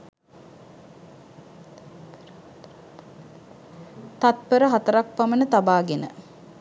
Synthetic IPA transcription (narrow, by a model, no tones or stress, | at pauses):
t̪at̪̚pəɾəɦat̪əɾak̚pamənət̪abaːɡenə̰